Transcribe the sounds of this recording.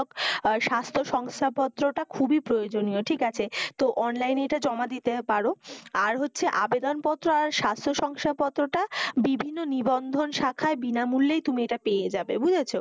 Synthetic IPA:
kʃast̪ʰoʃɔŋst̪ʰapɔt̪ːɾoʈakʰubipɾojod͡ʑonijoʈʰikat͡ɕʰet̪oʔɔnlajnejʈad͡ʑɔmad̪it̪epaɾoaɾɦotːɕʰeʔabed̪onpɔt̪ːɾoaɾʃast̪ʰoʃɔŋʃʈ̪ʰapɔt̪ːɾoʈabibʱinːonibɔnd̪ʱonʃakʰaebinamulːejt̪umiejʈapejed͡ʑabebud͡ʑʱet͡ɕʰo

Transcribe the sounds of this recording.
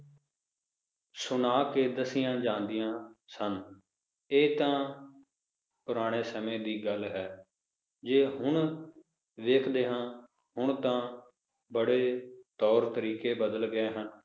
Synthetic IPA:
sʊnaːkeːd̪əsɪjãːd͡ʒãːnd̪ɪjãːsən | eːt̪ãː | pʊɾaːɽ̃eːsəmẽːd̪iːɡəlɦɛː | d͡ʒeːɦʊɳ | ʋeːkʰd̪eːɦãː | hʊɳt̪ãː | bəɽeːt̪ɔːɾt̪əɾiːkeːbəd̪əlɡəeːɦən

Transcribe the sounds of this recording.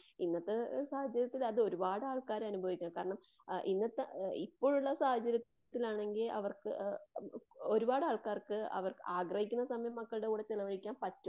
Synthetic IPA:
inːɐt̪ːesaːhɐt͡ɕːɐɾjɐt̪ːilɐðɨo̞ɾubaːɽɨaːɭkaːɾɐnubʱɐʋikʲːuŋɐkaːɾɐɳɐm | ʔinːɐt̪ːeipːo̞ːɻuɭːɐsaːhɐt͡ɕːɐɾjɐːilaːɳe̞ŋɡilɐ̰ʋɐrkɨ | o̞ɾubaːɽɨaːɭkaːrkɨɐ̰ʋɐrkaːɡrɐhikʲːunːɐsɐmɐjɐmːɐkːɐɭɨɽekuːɽet͡ɕilɐʋɐɻikʲːaːmpɐtːu

